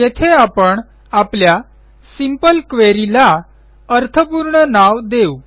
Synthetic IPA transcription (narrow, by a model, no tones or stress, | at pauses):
jet̪ʰeapəɳ | aplja | simpəlkʋeɾila | əɾt̪ʰəpuɾɳənaʋd̪eu